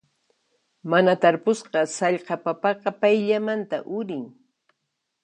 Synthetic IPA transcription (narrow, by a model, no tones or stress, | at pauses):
manat̪aɾpʊsɢɑsɑʎqɑpapɑqɑpajʎamant̪a̰ʔʊɾɪŋ